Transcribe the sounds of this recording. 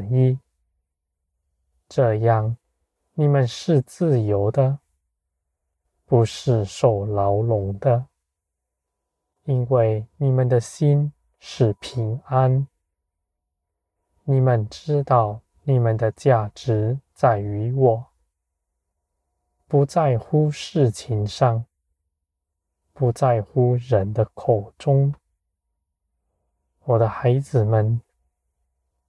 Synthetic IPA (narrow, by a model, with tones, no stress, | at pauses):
i˥ | ʈ͡ʂɤ˥˧jɑ˥˩ŋ | ni˨˩mə˨nʂɻ̩˥˧t͡sɹ̩˥˩jo˧˥ʊd̪ə˧ | pu˧˥ʂɻ̩˥˩ʂo˨˩ʊlɑ˧˥ʊlʊ˧˥ŋd̪ə˧ | i˥nwe˥˩ɪni˨˩mə˨nd̪ə˨ɕi˥n | ʂɻ̩˥˩pʰi˧˥ŋa˦n | ni˨˩mə˨nʈ͡ʂɻ̩˥t̪ɑ˥˩ʊ | ni˨˩mə˨nd̪ə˧t͡ɕja˥˩ʈ͡ʂɻ̩˧˥t͡sa˥˩ɪy˧˥wɔ˨˩˦ | pu˧˥t͡sa˥˧ɪxu˥ʂɻ̩˥˩t͡ɕʰi˧˥ŋʂɑ˥˩ŋ | pu˧˥t͡sa˥˩ɪxu˥ɻə˧˦nd̪ə˧kʰo˨˩ʊʈ͡ʂʊ˥ŋ | wɔ˨˩d̪ə˦xa˧˥ɪd͡zɹ̩˨˩mə˨n